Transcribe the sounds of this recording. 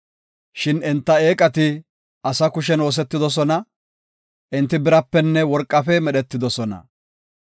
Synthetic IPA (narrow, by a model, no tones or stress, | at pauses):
ʃɪnɪnt̪ːɐe̞ːkʼɐt̪ɪ | ɐsɐkʊʃ̬ɛnoːs̬ɛt̪ːɪd̪ɔs̬ɔnɐ | ʔɪnt̪ːɪbɪɾɐpːɛnːɛwɔɾkʼːɐfɛmɛɗɛt̪ːɪd̪ɔsɔnɐ̰